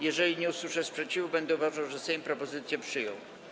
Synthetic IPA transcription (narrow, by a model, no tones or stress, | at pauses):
jɛʐɛlʲiɲɛuswɘʂɛspʂɛt͡ɕivubɛnd̪ɛuvaʐawʐɛsɛj̃mpɾɔpɔzɘt̪sʲjɛpʂɘjɔ̃w̃